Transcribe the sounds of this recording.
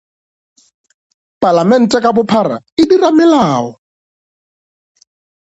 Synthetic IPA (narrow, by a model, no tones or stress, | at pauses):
pʼalamɛn̩tʼɛkʼabʊpʰara̰ɪdiramɛlaːɦɔ